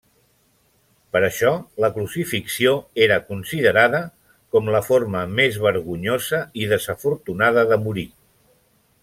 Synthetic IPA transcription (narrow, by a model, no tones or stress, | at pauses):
pəɾəʃɔləklusifiksioeɾəkunsiðəɾaðə | kɔmləfoɾməmezβəɾɣuɲozəiðəzəfuɾt̪unaðəðəmuɾi